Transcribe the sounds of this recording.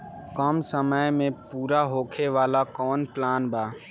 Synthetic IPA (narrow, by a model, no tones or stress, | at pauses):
kɔːmsəməjmẽpuːɾaɦoːkʰeʋaːlakɔːnplaːnbaː